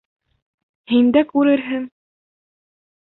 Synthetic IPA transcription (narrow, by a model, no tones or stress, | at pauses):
hind̪ækʉɾɘɾɦɘŋ